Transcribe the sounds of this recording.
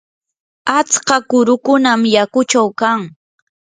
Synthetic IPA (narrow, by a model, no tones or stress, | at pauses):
at͡skakʊɾʊkʊnamjakʊt͡ʃawkaŋ